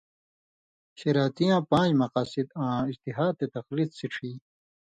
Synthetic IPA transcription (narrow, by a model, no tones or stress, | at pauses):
ɕeɾaːt̪ijãːpãːd͡ʑmɐqaːsid̪ãːist̪iɦaːd̪̚t̪et̪ɐqlit̪siʈ͡ʂʰiː